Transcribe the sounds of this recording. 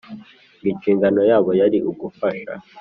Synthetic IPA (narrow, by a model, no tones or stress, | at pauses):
ɡikiːŋɡano̞jaːβo̞jaɾiʔuɡufaʃa̰